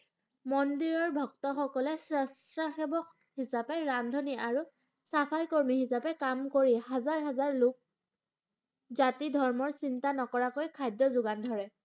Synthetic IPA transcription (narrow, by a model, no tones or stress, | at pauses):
mɔndiɹɔɹbʱɔktɔxɔkɔlɛsɹɛstɹaxebɔk | hisapɛɹamdʱɔniʔaɹu | sapʰajkoɹmihisapɛkamkoɹihazaɹɦazaɹlʊk̚ | zatidʱɔɹmɔɹsintanɔkɔɹakojkʰajdjɔzʊɡandʱɔɹɛ